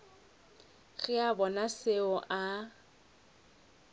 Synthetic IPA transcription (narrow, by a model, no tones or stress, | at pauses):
ɣɪabɔnaseʊʔa